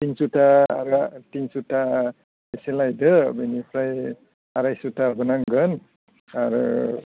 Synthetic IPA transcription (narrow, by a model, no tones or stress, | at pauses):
tiŋsutaɾtiŋsuta | esilajdɯbenipʰɾaj | aɾajsutabɯnaŋɡɯn | aɾɯ̰